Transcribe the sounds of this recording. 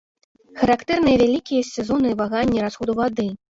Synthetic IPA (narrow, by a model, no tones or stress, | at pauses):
xɐɾakt̪ɛrnɨjɛvʲalʲikʲijɐsʲɛzɔnɨvaɣanʲːɛɾasxɔd̪uvad̪ɨ